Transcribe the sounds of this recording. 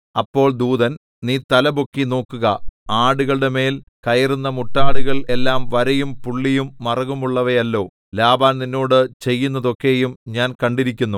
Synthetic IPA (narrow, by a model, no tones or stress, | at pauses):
ɐpːo̞ːɭd̪uːðɐn | niːt̪ɐlɐbokːino̞ːkːuɣɐaːɽuɣɐɭɽeme̞ːl | kɐjɐrunːɐmuʈːaːɽuɣɐɭe̞lːaːmʋɐɾɐjumpuɭːijumːɐrɐɣumuɭːɐʋɐjɐlːo̞ː | laːbaːnninːo̞ːɽɨt͡ɕe̞jːunːɐðo̞kːe̞jumɲaːnkɐɳɖiɾikʲːunːu